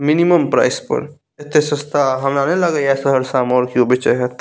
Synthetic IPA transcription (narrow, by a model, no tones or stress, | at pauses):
miniməmpɾa̰ɪspə̰ɾ | et̪ːesəst̪ʰaɦɐmnanẽləɡajasəɦəɾsamɔːɾkiobit͡ʃəɦɛt̪